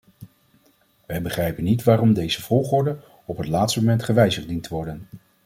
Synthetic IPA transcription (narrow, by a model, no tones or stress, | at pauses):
ʋɛjbəχrɛjpənːitʋaːrɔmdejzəv̥ɔlˠχʊːɹdən | ɔpɦətlaːtstəmomɛntχəʋɛjzəχdintʋɔɹdən